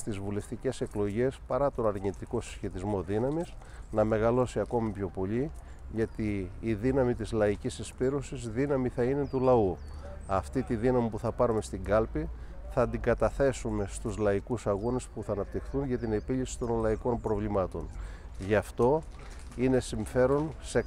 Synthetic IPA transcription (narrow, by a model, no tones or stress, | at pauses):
st̪izvule̞ft̪ice̞se̞klo̞ʝe̞spɐɾɐt̪o̞nɐɾɲit̪iko̞si̥sçe̞t̪izmo̞ðinɐmis | nɐme̞ɣɐlo̞siɐko̞mipço̞po̞ʎi | ʝɐt̪iːðinɐmit̪izlɐicisispiɾosizðinɐmiθɐine̞t̪ulɐu | ɐft̪it̪iðinɐmipuθɐpɐɾume̞st̪iŋɡɐlpi | θɐnd̪iŋɡɐt̪ɐθe̞sume̞st̪uzlɐikusɐɣonespuθɐːnɐp̚t̪ixθunʝɐt̪ine̞piʎisi̥t̪o̞nlɐiko̞mpɾo̞vlimɐt̪o̞n | ʝɐft̪o̞ | ine̞siɱfe̞ɾo̞nse̞